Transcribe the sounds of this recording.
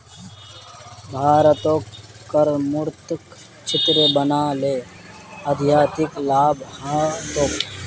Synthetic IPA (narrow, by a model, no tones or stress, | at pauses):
bʱaːɾət̪oːkː | əɾmʊɾt̪k | t͡ʃʰɪt̪ɾəbənaːleː | əd̪ʱjaːt̪ɪklaːbʱhãːt̪oːk